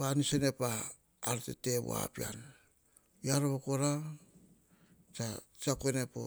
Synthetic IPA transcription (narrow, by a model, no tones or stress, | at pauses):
anisene̞paː | ɾtḛte̞βo̰a̰pia̰n | jaɾoβokoɾa | t͡ʃa | t͡ʃakonepo̰